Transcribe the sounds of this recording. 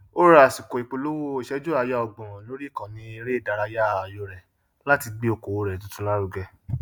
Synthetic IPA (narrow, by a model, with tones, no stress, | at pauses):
o˦ɾa˦˨si˨ko˨i˨k͡po˧lo˦wo˦i˨ʃɛ˦d͡ʒo˦a˧ja˦ɔ˧ɡ͡bɔ̃˨ɔ̃˨lo˨˦ɾi˦˨kã˨nĩ˧˦e˧ɾe˦˨da˨˧ɾa˧ja˦˨a˨jo˧ɾɛ˨ | la˦ti˧ɡ͡bi˦o˨ko˨wo˧ɾɛ˨to˨˦tũ˦la˦ɾu˧ɡɛ˧